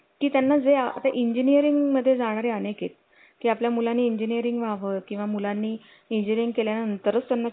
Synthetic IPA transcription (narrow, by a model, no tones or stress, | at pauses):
kiːt̪janːad͡zeaa̰t̪aʔiɲd͡ʑinijəɾiŋɡməd̪ʱːjed͡zaɽ̃aɾeənekḛt̪̚ | kiːapljamulanːiːiɲd͡ʑiniəɾiŋɡʋaʋət̪̚kĩw̃ʋamulanːiː | iɲd͡ʑiɾiŋɡkeljanaənt̪əɾət͡st̪janːa